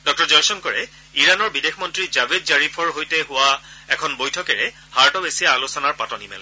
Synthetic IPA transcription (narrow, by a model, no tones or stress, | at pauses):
dɔk̚tɔɹzɔjsɔnkɔɹɛ | iɹanɔɹbidexʰmɔntɹizabedzaɹipʰɔɹɦojtɛɦʊwaɛkʰɔnbojtʰɔkɛɹɛ | haɹtɔbesijaːlusɔnaɹpatɔnimɛ̰l